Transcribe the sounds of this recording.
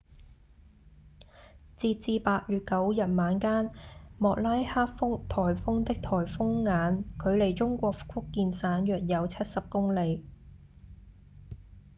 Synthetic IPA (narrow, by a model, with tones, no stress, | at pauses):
t͡siː˧t̚t͡siː˨˧paː˧t̚jɥyː˨t̚kɐ˨˥wjɐ˨t̚maː˨˧nkaː˥nmɔː˨k̚laː˥jhaː˥k̚fʊ˥ŋt̪ʰɔː˨˩jfʊ˥ŋt̪ɪ˥k̚t̪ʰɔː˨˩jfʊ˥ŋːaː˨˧˥nkʰɵ˨˧ɥle˨˩jt͡ʃʊ˥ŋkʷɔː˧k̚kʰʊ˥kːiː˨˧nsaː˨˥njœː˨˩k̚jɐ˨˧wt͡sʰɐ˥t̚sɐ˨p̚kʊ˥ŋle˨˧j